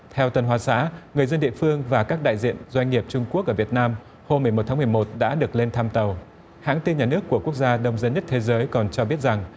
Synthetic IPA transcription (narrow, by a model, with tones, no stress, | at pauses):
t̪ʰɛ˧wt̪ə˨˩nɦwaː˨˩sa̰ː˧˥ŋɨ˨˩əjzə˧nɗḭ˧˨əfɨ˧əŋvaː˨˩kaː˦˥k̚ɗa̰ː˧˨jzḭ˧˨ənzwa˧jŋ̟ŋi˨˩əp̚t͡ɕʊ˧ŋ͡mku˦˥ək̚ʔəː˧˩vi˨˩ət̚naː˧m | ho˧mːɨ˨˩əjmo˨˩t̪̚ʰaː˨˦m˨˩əjmo˨˩t̚ɗa̰ː˧˥ɗɨ˨˩ək̚le˧nt̪ʰaː˧mt̪ə˨˩w | ha̰ː˧˥ŋt̪i˧nɲaː˨˩nɨ˦˥əkːu˧˩əku˦˥ək̚zaː˧ɗə˧wŋ͡mzə˨˦nɲə˦˥t̚t̪ʰe˨˦zəː˨˦jkɔ˨˩nt͡ɕɔ˧ɓi˦˥ət̚za˨˩ŋ